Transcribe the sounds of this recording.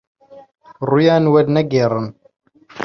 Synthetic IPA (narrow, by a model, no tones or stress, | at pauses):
rˤujænwæd̪næɡɪrˤːən